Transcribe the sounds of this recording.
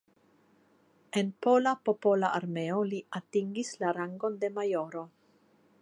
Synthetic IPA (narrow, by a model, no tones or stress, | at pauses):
e̞npo̞lapo̞po̞laʔaɾme̞o̞liatiŋɡislaɾaŋɡo̞nde̞majo̞ɾo